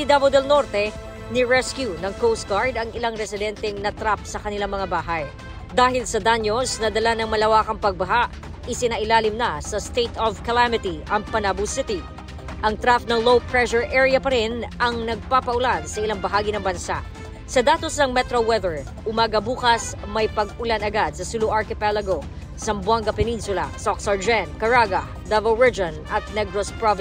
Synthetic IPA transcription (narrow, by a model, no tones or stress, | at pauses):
id̪abɐd̪ɛlno̞ɾt̪ɛ | nɪɹɛskjunɐŋkowst̪̚ɡaɹd̪ɐŋɪlaŋɾɛsɪd̪ɛnt̪ɛŋnɐt̪ɾapsɐkɐnɪlaŋmɐŋabaːɦɐj | d̪aːɦɪlsɐd̪anjosnɐd̪ɐlanɐŋmɐlɐwaːkɐŋpɐɡ̚bɐɦaʔ | ʔɪsɪnaʔɪlaːlɪmnɐsɐst̪ejt̪ɔvkɐlamɪt̪iʔɐŋpɐnabusɪt̪ɪ | ʔɐŋt̪ɾafnɐŋlowpɹɛʃɔɹʔɛɹijɐpɐɾɪnʔɐŋnɐɡ̚papɐʔʊlansɐʔɪlaŋbɐɦaːɡinɐŋbɐnsa̰ʔ | sɐd̪aːt̪osnɐŋmɛt̪ɾowɛðɛɹ | ʔʊmaːɡɐbuːkɐsmɐjpɐɡʊlanɐɡad̪̚sɐsʊluʔɐɹkɪpɛlɐɡo | sɐmbwaŋɡɐpɛninsʊlɐ̰soksɐɹd͡ʒɛnkɐɹaːɡɐ | d̪ɛvɐɹɪd͡ʒɐnɐt̪̚nɛɡɾospɹavɪ